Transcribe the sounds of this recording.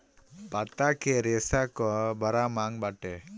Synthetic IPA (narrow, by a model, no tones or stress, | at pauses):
pat̪akɛɾɛsakɔbaɾamaŋbaʈɛ